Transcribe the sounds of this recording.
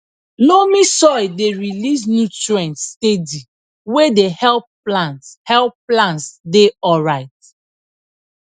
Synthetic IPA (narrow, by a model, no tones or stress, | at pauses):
lomĩsɔideɹilis̬njutɹiɛ̃ntstedi | wedehɛlpː | lãnthɛlpːlãntsdeɔɹaɪt̚